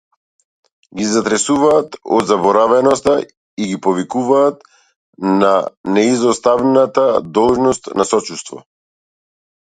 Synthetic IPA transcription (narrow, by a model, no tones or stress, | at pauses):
ɡizat̪ɾɛsuvaːt̪ɔd̪zabɔɾavɛnɔst̪a | iɡipɔvikuvaːt̪ | nanɛizɔst̪avnat̪ad̪ɔlˠʒnɔst̪nasɔt͡ʃust̪vɔ̰